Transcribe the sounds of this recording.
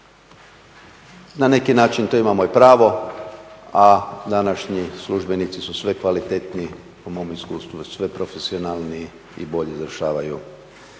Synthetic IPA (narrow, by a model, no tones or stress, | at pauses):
nane̞kinaːt͡ʃint̪o̞imamoipɾaːʋo̞ | ad̪anaʃɲisluʒbe̞nit̪sisusʋe̞kʋalit̪et̪ni | umo̞miskuːst̪ʋusʋe̞pɾofesionaːlˠni | ḭbo̞ʎezʋɾ̩ʃaːʋaju